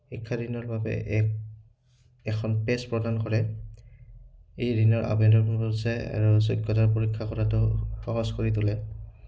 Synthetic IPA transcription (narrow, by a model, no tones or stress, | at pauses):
xikʰːadinɔɹbabɛ̰ | ɛkʰɔnpɛspɹɔdʱankɔɹɛ | ejɹinɔɹʔa̰bɛndɔɹkɔmɔsɛa̰ɹusɔjkjɔtaɹp̬oɹikʰːakɔɹatʊxɔɦɔskɔɹitʊlɛ